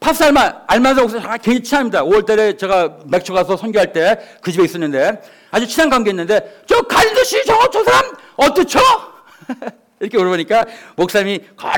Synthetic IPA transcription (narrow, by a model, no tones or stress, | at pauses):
pʰas͈aɭmanaɭmas̬ʰʌmoks͈ʌaakeŋd͡ʑat͡ɕʰinaimːidaoʌɭt͈aɾe̞t͡ɕe̞ɣame̞k̚t͡ɕʰoɣas̬ʰʌsʰʌnɡjoɦaɭt͈e̞kɯd͡ʑibe̞is͈ʌnːɯnde̞ | ad͡ʑut͡ɕʰinankaŋɡoenːɯnde̞t͡ɕʌkaɭidoɕʰit͡ɕʌt͡ɕosʰaɾam | ʌt͈ʌt͡ɕʰo | iɾʌkʰeuɾʌboɲik͈amok̚s͈amika̰